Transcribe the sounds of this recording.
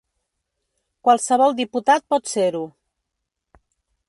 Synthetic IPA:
kwalˠsəβ̞ɔlˠd̪iput̪at̪̚pɔt̪seɾu

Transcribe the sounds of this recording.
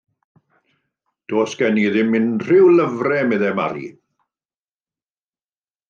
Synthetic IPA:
d̥oːsɡ̥ɛniðɪmːɪnr̥ɪwləvrɛmɛðɛma̰ɾḭ

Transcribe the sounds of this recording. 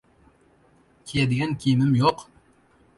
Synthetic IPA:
kʲʰejɛd̪ɪɡʲɛnkʲʰijmɪmjoq

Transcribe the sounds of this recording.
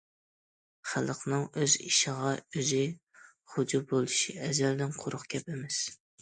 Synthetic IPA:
χælˠqnɨŋøzḭʃəʁɑøzɪ | χʊd͡ʒubolˠuʃiɛzɛld̪ɪnqʰʊɾʊχkʲʰɛpɪmɛs

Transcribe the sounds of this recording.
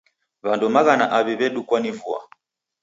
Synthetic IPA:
βandumaɣanaʔaβiβɛɗukwanivua̰

